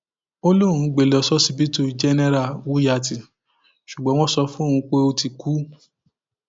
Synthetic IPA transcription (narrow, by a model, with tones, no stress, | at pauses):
o˦lo˦˨ɾ̃ũ˨˦ɡ͡be˨lɔ˨˧˨sɔ˦si˦bi˦tu˦d͡ʒɛ˦nɛ˦ɾa˨wu˨˦ja˧˨ti˨ | ʃu˨ɡ͡bɔ̃˨˦w̃ɔ̃˦sɔ˧˦fũ˦õ˦˨˧ũ˧k͡pe˦o˧ti˨ku˨˦